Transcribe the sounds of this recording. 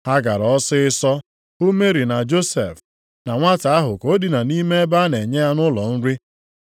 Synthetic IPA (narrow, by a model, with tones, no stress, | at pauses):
ha˦ɡa˨ɾɔ˦sɪ˦ɪ˦sɔ˦ | u˦me˦ɾi˨na˨d͡ʒo˦sḛ˨f | na˨ŋʷa˦ta˨a˦ɦʊ˨ko˨˦di˨na˨ni˦me˦e˦ba˦ne˨ɲe˦a˦nʊ˦lɔ˨n̩˦ɾi˦